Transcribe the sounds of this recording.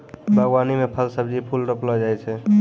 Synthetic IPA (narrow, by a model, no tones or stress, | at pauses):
bʱəɡwanimepʰəlsəbd͡ʒipʰulʈəplɔd͡ʒajt͡ʃʰɛ